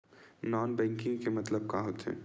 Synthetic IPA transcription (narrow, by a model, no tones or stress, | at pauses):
nɔːnbɛ̃ːŋkɪ̃ŋɡkemɐt̪ləb̚kaɦot̪ɦɛ̰ː